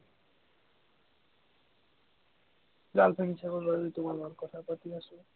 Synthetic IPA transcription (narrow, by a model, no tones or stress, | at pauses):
ɾalpʰanit͡ɕʰakoɾːɔit̪omaɾmaɾkɔt̪ʰapat̪iaʃo